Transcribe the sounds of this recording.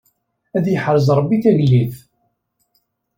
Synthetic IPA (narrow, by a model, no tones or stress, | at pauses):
æðjəħɾəzˤɾˤəbːiθæʝlːiθ